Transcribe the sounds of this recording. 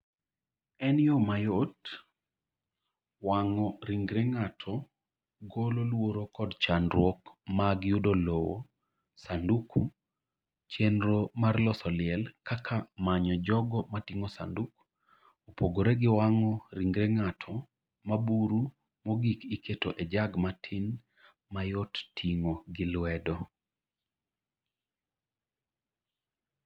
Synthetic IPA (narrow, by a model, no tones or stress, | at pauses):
ɛnɪjomajot | waŋɔɾiŋɡɾeŋatʰɔ | ɡololwoɾokɔdt͡ʃanɾwɔkmaɡjudolowo̰ | sandukʰu | t͡ʃenɾomarlɔsɔlɪɛlkakʰamaɲɔd͡ʒɔɡɔmatiŋɔsa̰nduk | opoɡoɾeɡɪwaŋɔɾiŋɡɾeŋatʰɔ | mabuɾu | mɔɡikikʰetoʔɛd͡ʒaɡmatʰɪn | majottʰiŋoɡɪlwɛdɔ